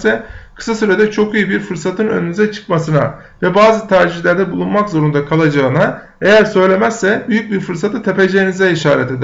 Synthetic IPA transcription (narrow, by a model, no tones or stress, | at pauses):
sɛkʰɯ̥sasyɾed̪ɛt͡ʃʰo̞kijɯbiɾfɯɾsat̪ʰɯnønynyzɛt͡ʃʰɯ̥kmasɯna̰ | vɛbaːzɯt̪ʰaɾʒiçlʲæɾd̪ɛbulˠunmakzo̞ɾund̪akʰalˠad͡ʒaɯna | e̞jæɾsø̞jlʲe̞mæsːɛbyjyc̚biɾfɯɾsat̪ʰɯt̪ʰe̞pe̞d͡ʒejinizɛiʃaːɾɛt̪e̞d̪i